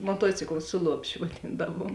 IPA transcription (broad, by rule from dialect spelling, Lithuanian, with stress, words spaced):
moːˈtuɔt͡sʲɪklˠɐ ˈsʊ lˠuɔpʲˌʃʲʊ ʋɐˈdʲiːndɐʋuɔm